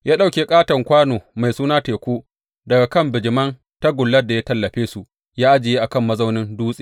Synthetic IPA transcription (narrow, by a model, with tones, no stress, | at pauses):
jaː˦ɗa˦˨wkʲeː˦kʼaː˦tɐ˨ŋkʷaː˦noː˨ma˨jsuː˦naː˦teː˨kʷuː˦ | dɐ˨ɡa˨kɐ˦˨mbɪ˨d͡ʒɪ˨mɐ˦n | ta˦ɡʷʊ˨lːɐ˦rda˨jaː˦tɐ˦lːɐ˨ɸeː˦su˨ʔ | jaː˦ʔa˦d͡ʒɪ˨jeː˦ʔa˨kɐ˦˨mːɐ˦za˦wnɪ˦nduː˦sʼiː˨